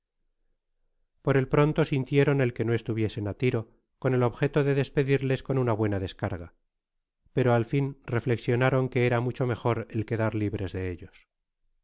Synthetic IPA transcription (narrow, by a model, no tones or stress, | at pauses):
po̞ɾe̞lpɾo̞nt̪o̞sint̪je̞ɾo̞ne̞lke̞noe̞st̪uβje̞se̞nat̪iɾo | ko̞ne̞lo̞βxe̞t̪o̞ðe̞ðe̞spe̞ðiɾle̞sko̞nunaβwe̞naðe̞skaɾɣa | pe̞ɾo̞alfinre̞fle̞ksjo̞naɾo̞ŋke̞eɾamut͡ʃo̞me̞xo̞ɾe̞lke̞ðaɾliβɾe̞zðe̞eʎo̞s